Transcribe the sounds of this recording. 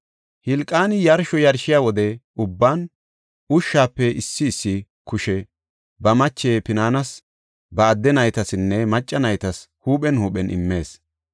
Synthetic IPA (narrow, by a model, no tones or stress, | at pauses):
hɪlkʼːaːnɪjɐɾʃɔjɐɾʃɪjaːwɔd̪ɛ | ʊbːaːn | ʊʃːaːpːɛɪsːɪːsːɪ | kʊʃɛ | bɐmɐt͡ʃːeːpɪnaːnɐs | bɐːd̪ːɛnɐjt̪ɐsɪnːɛmɐt͡ʃʼːɐnɐjt̪ɐshuːpʼɛnhuːpʼɛnʔɪ̰mːe̞ːs